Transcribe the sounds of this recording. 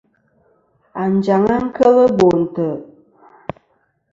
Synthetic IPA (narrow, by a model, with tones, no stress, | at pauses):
a˨n˨d͡ʒa˨ŋa˦ŋ̩˦kə˦lə˦bo˨n̩˨tə˨